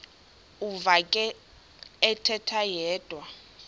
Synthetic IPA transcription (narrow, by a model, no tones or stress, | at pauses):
uvakʼɛ | ɛtʰɛtʰajɛːd̥ʱwa